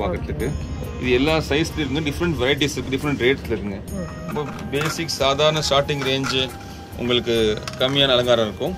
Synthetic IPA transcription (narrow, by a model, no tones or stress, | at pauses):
paːkɐʈːlɯkːɯ | ɪðɯɛlːaːsɐɪsɪlɐɪɾɯkɯŋɡɐɖɪfɾɛɳʈʋɛɾɐɪʈ̬isɪɾɯkːɯɖɪfɐɾɛɳʈɾeːʈsɪlɪɾkːɯŋɡɐ | ɐmbɐ | beːsɪkːsaːðaːɾɐnɐsʈaːɾʈːɪŋɡɾeːɲd͡ʒɯ | ʊ̰ŋɡɐɭɯkːɯkɐmːɪjaːnɐlɐŋɡaːɾɐ̃mɪɾɯkːʊ̃